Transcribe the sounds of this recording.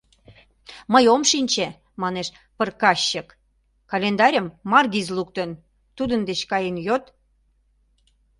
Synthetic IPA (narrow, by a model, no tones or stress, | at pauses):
məjomʃinʲt͡ɕe | mɑneʃ | pərkɑɕːək | kɑlʲend̪ɑɾʲəmːɑrɡizluk̚t̪ən | t̪ud̪ənd̪et͡ɕkɑjenjot̪